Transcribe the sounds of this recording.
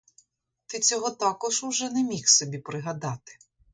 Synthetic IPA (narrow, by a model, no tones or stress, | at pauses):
t̪ɪt͡sʲɔɦɔt̪ɑkɔʒʊʒɛnɛmʲixsɔbʲipɾɪɦɐd̪ɑt̪ɪ̥